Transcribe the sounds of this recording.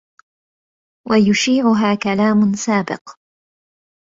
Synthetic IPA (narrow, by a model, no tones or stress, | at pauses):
wʔajʊʃiːʕʊɦaːkalaːmʊnsaːbɪ̰q